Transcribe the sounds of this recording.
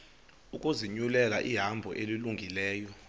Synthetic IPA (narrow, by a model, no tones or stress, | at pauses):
ukʼuziɲulɛlaʔiɦambʱɔʔeliluŋɡʱilɛːjɔ